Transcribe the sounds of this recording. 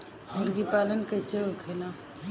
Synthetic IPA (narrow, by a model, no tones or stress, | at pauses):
ɦʊɾɡipaːlənkəɪseokʰela